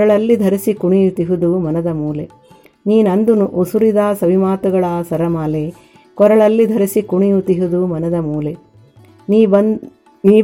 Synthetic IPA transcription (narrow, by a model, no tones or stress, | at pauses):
ɐɭɐlːid̪ʱɐɾisikuɳijut̪iɦud̪umɐnɐd̪ɐmuːle | niːnɐnd̪unuʔosuɾid̪aːsɐʋimaːt̪uɡɐɭaːsɐɾɐmaːleː | kɔɾɐɭɐlːid̪ʱɐɾisikuɳijut̪iɦud̪umɐnɐd̪ɐmuːle | niːbɐ | niː